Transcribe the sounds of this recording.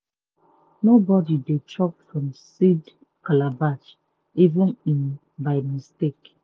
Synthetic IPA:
nobɔdidet͡ʃɔkfɹɔ̃msid | kalabat͡ʃ | ivĩnĩn | baɪmistek

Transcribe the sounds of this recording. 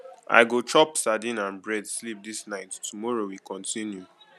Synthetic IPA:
ʔa̰ɪɡot͡ʃɔpsadĩnãnbɹɛdslip̚disnaɪtːumɔɹowikʰɔ̃ntĩnju

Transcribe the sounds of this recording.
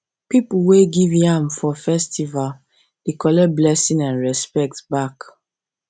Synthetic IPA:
pipuweɡivjãmfɔfɛstʰival | d̥ekɔlɛblɛsĩnãnɹɛspɛk̚tbak

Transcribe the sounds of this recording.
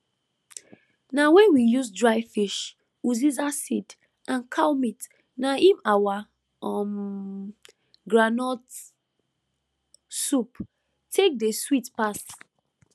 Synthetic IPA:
nawɛ̃nwijusdɹaɪfiʃ | uzizasid | ãnkʰalmit | naʔĩmawa | ɔm | ɡɹanɔt | sup | tʰek̚deswitpas

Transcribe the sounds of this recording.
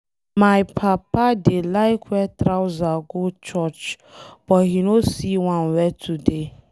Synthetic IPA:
maɪpʰapadelaɪkʰwɛtɾawzaɡot͡ʃɔt͡ʃ | b̥ɔthinosiwãnwɛtʰude

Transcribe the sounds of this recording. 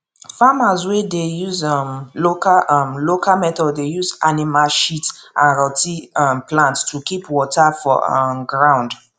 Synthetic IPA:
famazwedejuzɔmlokaʔmlokamɛtɔdejuzanimalʃitʔãnɹɔtiɔmplãnttukipwɔtafɔ̰ɡɹãw̃nd

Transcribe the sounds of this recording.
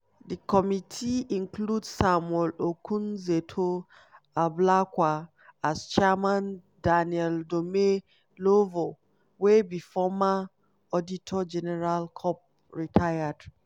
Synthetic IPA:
dikɔmitʰiĩŋkludsamwɛlokʰũnzetʰo | ablakwa | ast͡ʃɛmãn | daniɛldome | lovo | webifɔma | ɔditʰɔd͡ʒɛnɛɹalkʰɔp̚ | ɹitʰajad̥

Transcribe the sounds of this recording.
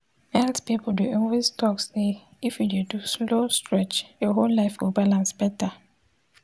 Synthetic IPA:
ɛltpipl̩duʔɔnweztʰɔkse | ifjududuslostɹɛt͡ʃjɔɦollaɪfwibalãnsbɛta

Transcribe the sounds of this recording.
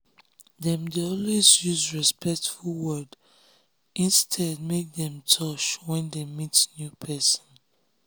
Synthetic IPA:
dɛ̃mdeɔlwezjuzɹispɛk̚tfulˠwɜd | ʔĩnstʰɛd̚mek̚dɛ̃mtʰɔt͡ʃwɛ̃ndemitsnjupʰɛsɔ̃n

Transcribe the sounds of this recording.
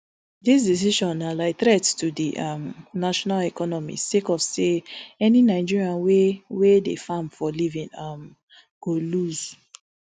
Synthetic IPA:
dis̬dis̬iʃɔ̃nalaɪtɹɛttudiʔamnaʃɔnalɛkɔnɔmḭstekɔv̥seɛninaɪd͡ʒiɹiãnwewedefãmfɔlivĩnam | ɡ̥oluz̥

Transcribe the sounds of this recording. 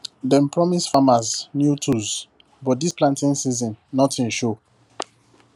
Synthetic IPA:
dɛ̃npɹɔmisfamaznjutʰuz | bɔt̚displãntĩnsizɔ̃nːɔtĩnʃo

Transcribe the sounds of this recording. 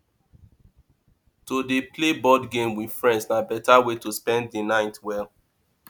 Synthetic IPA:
todeplebɔdɡẽmwidfɹɛ̃ndsnabɛtawetospɛ̃nddənaɪtwɛl

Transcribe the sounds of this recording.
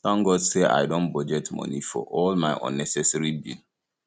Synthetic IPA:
sãŋɡɔdseʔa̰ɪdõnbɔd͡ʒetmɔ̰nifɔ̰ʔɔlmaɪʔɔ̰̃nːɛsɛsɛɾibḭl

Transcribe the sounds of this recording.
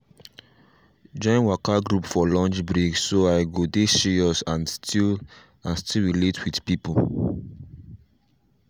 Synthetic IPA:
d͡ʒɔ̃ɪ̃nwakaɡɾupfɔlɔ̃nd͡ʒbɾeɡsoaɪɡodeʃeɔsãnstʰil | ãnstilɹiletwidpipu

